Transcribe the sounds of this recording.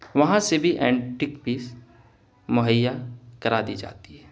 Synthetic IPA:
ʋɐɦãsebʱiʔɛ̃ːɳʈɪkpiːs | mʊɦəjːakɐɾaːd̪id͡ʒa̰ːt̪iɦɛː

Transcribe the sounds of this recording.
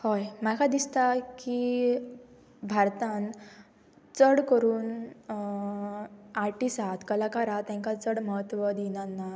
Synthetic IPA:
hojmakʰad̪ist̪aki | bʱaɾt̪ãn | t͡səɽkəɾuːn | aɾʈisat̪kəlakaɾat̪jãŋkat͡səɽməɦət̪ʋəd̪inanːa

